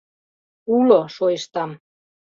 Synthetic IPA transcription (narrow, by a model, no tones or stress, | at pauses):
uloʃojʃt̪ɑm